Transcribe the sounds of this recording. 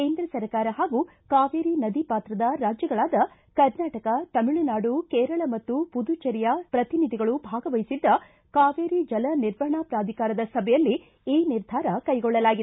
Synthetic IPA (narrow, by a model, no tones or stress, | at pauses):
keːnd̪ɾɐsɐɾkaːɾɐɦaːɡu | kaːʋeːɾinɐd̪ipaːt̪ɾɐd̪ɐɾaːd͡ʒjɐɡɐɭaːd̪ɐ | kɐɾnaːʈɐkɐt̪ɐmiɭɐnaːɖukeːɾɐɭɐmɐt̪ːupud̪ut͡ʃɐɾijɐpɾɐt̪inid̪ʱiɡɐɭubʱaːɡɐʋɐjisid̪ːɐ | kaːʋeːɾid͡ʒɐlɐniɾʋɐɦɐɳapɾaːd̪ʱikaːɾɐd̪ɐsɐbʱɛjɐlːi | iːniɾd̪ʱaːɾɐkɐjɡɔɭːɐlaːɡid̪